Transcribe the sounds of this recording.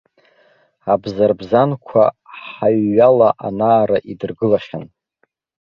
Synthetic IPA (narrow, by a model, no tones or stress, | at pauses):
abzarbzankʷʰa̰ħaɥːalaʔanaːɾaʔidɨrɡɨlaʃan